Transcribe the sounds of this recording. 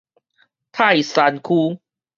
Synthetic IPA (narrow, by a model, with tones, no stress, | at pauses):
t̪ʰa˥˩jsa˧nkʰuː˧